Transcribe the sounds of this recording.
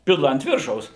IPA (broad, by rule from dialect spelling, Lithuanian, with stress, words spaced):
ˈpʲɪlˠɐ ɐnt ˈʋʲɪrʃɐʊs